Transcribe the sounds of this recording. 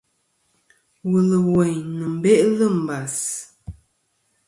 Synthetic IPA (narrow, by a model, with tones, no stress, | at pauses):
wə˨lə˨wɛ˨ɲnə˨m̩˨be˦ʔlə˦˨m̩˨ba˨s